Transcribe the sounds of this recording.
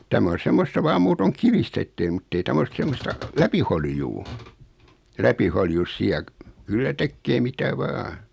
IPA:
tæmæ on̞ semːostɑ ʋɑːm muːtoŋ kiʋistæ etːei mutːei tæm os semːostɑ læpiholjuː læpiholjus siæ kylːæ tekːeː mitæ ʋɑː

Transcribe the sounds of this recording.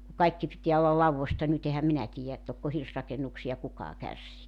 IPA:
ku kɑikːi pitiæ olːɑ lɑuʋːostɑ nyt ehæm minæ tiːjæ et tokːo hirsrɑkenːuksiɑ kukɑː kærsiː

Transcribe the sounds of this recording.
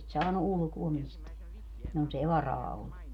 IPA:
sit sɑːnu ʔulŭkuo misteæ jonsei ʋɑrɑː olːu

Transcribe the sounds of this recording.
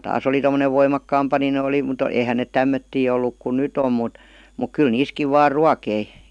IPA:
tæs oli tomˑoneʋ ʋoimɑkːɑːmpɑ nin oli mut eihæn neˑt tæmːøtːiː olːuk kun̆ nyt om mut muk kyl niːskiʋ ʋɑːr ruɑkei

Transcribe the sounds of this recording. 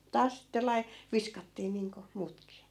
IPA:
tɑːs sitːe lɑi ʋiskɑtːiː niːŋko muːtkiː

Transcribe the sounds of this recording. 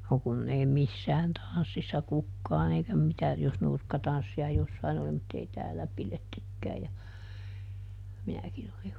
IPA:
no kunː ei misːæːn tɑn̞sːisːɑ kukːɑːn eikæ mitæ jos nurkːɑtɑnsːiɑ josːɑin oli mutː ei tæːlæ piletːykːæː jɑ minækin olih

